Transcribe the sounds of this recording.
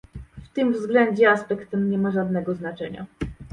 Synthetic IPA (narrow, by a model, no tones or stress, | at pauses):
ft̪ɘmvzɡlɛɲd͡ʑɛaspɛkt̪ɛmɲɛmaʐad̪̚nɛɡɔznat͡ʂɛ̰ɲa̰